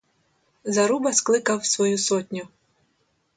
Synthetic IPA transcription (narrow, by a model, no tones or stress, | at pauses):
zɐɾubɐsklˠɪkɐwsʋɔjusɔtʲnʲʊ